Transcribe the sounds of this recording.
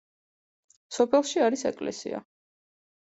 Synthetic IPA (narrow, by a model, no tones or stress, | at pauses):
sɔpʰɛlˠʃiaɾisɛ̰kʼlɛ̰sḭa̰